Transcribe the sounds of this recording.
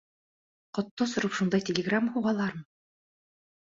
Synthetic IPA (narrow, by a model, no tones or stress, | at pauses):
qŏt̪ːosŏɾɤpʃund̪ɑjtʲɪlʲɪɡramːhuʁɑlˠɑɾmɤ